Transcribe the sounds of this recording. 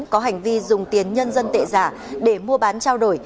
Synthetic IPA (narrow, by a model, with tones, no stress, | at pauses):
nkɔ˨˦ɦa˨˩jŋ̟vi˧zʊ˨˩ŋ͡mt̪i˨˦ənɲə˧nzə˧nt̪ḛ˧˨zaː˧˩ | ɗe˧˩mu˧əɓaː˨˦nt͡ɕaː˧wɗo˧˩j